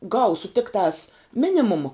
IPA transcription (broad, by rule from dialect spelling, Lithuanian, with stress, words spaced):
ˈɡɐʊsʊ ˈtʲɪktɑːs ˈmʲɪnʲɪmʊmɐ